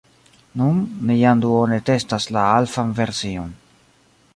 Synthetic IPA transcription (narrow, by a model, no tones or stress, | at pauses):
nunːijanduone̞te̞staslaalfanve̞ɾsio̞n